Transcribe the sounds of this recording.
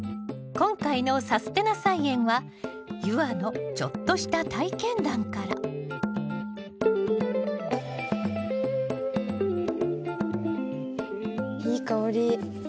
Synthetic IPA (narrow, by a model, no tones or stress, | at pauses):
kõ̞ŋkaino̞sasɨ̥t̪e̞nasaiẽ̞ɰ̃βa | jɯ̟ano̞t͡ɕo̞̰t̪ːo̞ɕi̥t̪at̪aikẽ̞nd̪ãŋkaɾa̰ | hiːkaoɾʲi